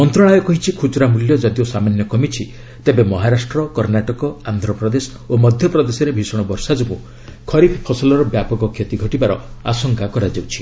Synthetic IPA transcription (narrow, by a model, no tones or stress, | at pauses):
mɔnt̪ɾɔɽ̃ajɔkɔɦit͡ʃʰikʰut͡ʃɾamuljɔd͡ʒɔd̪ijosamanjɔkɔmit͡ʃʰi | t̪ebemɔɦaɾasʈɾɔkɔɾnaʈɔkɔand̪ʱɾɔpɾɔd̪esɔ̥ | omɔd̪ʱjɔpɾɔd̪esɔɾebʱisɔɽ̃bɔɾsad͡ʒɔbũ | kʰɔɾipʰpʰɔsɔlɔɾɔbjapɔɡɔkʰet̪iɡʱɔʈibaɾɔa̰sɔŋkakɔɾad͡ʒawt͡ʃʰi̥